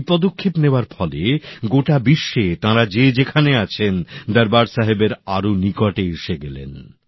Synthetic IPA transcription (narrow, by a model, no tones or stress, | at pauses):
pɔd̪okʰːepneoaɾfɔleɡoʈabiʃːet̪ãɾad͡ʑed͡ʑekʰaneat͡ɕʰend̪ɛɾbaɾsaɦebeɾaɾonikɔʈeeʃeɡɛlḛn